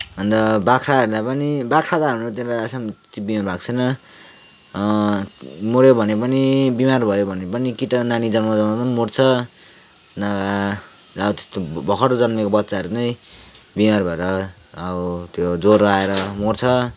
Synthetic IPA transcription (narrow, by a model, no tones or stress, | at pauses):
ʌnd̪ʌbakʰɾaɦʌɾulapʌnibakʰɾat̪aɦʌmot̪elaasamt̪ibimarbʱaɡt͡sʰʌjnʌ | moɾjobʱʌnepʌnibimarbʱʌjobʱʌnepʌnikit̪ʌnanid͡zʌnmad͡zʌnaamoɽt͡sʰʌ | naa | ʌbʌt̪e̥st̪obʱʌkʰʌʈod͡zʌnmekobʌtːsaʌɾut͡sʌjbimarbʱʌeɾʌː | bʌt̪jod͡zoraeɾʌmort͡sʰʌ